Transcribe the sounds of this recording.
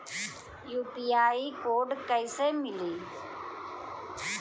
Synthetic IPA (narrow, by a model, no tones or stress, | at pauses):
juːpiːaːiːkoːɖkəiseːmɪliː